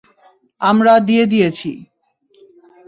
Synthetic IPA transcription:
amɾad̪ied̪ijet͡ɕʰḭ

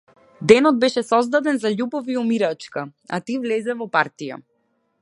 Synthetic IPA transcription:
d̪ɛnɔd̪̚bɛʃɛsɔzd̪ad̪ɛnzaʎubɔviumiɾat͡ʃkaa̰t̪ivlɛzɛvɔpaɾt̪ija̰

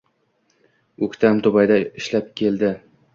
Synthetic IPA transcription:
ɵkʲt̪ʰamt̪ʰʊbajd̪aɪʃlap̚kʲʰe̞ld̪ɪ

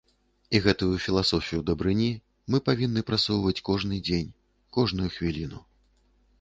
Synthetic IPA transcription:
iɣɛt̪ujufʲilˠasɔfʲijud̪ɐbɾɨnʲi | mɨpavʲinːɨpɾat̪sɔwvɐt͡sʲkɔʐnɨd͡zʲenʲ | kɔʐnujuxvʲilʲinu

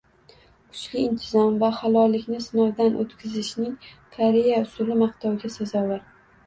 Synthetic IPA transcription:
kʰʊ̥t͡ʃlɪɪnt̪ʰɪzɒmvahalˠɒlːɪkʲnɪsɪnɒwd̪anʔo̰t̪kʲʰɪzɪʃnɪŋ | kʰaɾijaʊsʊlɪmaqt̪ʰɒwɡʲasazɒwaɾ

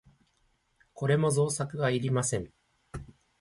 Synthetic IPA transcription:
ko̞ɾe̞mo̞zo̞ːsakɯ̟ɡaiɾʲimasẽ̞ɴ

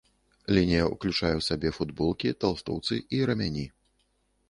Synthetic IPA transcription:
lʲinʲijɐṵklʲut͡ʂajɛwsabʲɛfud̪bɔlˠkʲit̪alˠst̪ɔ̰wt̪sɨʔiɾɐmʲanʲi

